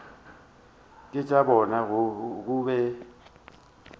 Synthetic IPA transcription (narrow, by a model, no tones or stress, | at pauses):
kʼɪt͡ʃʼabɔnaɣk̬ʼubɛ